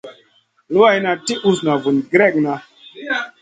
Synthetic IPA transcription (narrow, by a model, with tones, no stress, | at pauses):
lu˦a˦˨jna˨ti˦ʔu˦sna˨vu˨nɡɾe˦˨k̚na˨